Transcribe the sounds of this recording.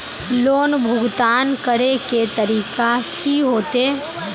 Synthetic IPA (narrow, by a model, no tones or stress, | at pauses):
loːnbʱʊɡt̪aːnkəɾeket̪əɾiːkakiɦoːt̪eː